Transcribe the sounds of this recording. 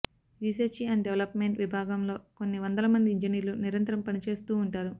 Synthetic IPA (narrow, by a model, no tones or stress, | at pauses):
ɾiːsɐɾt͡ʃiɐɳɖɖeʋɐlɐpmeɳʈʋibʱaːɡɐmlo̞ːkonːiʋɐnd̪ɐlɐmɐnd̪iːɲd͡ʒiniːɾluniɾɐnt̪ɾɐmpɐnit͡ʃe̞ːst̪uːɳʈaːɾu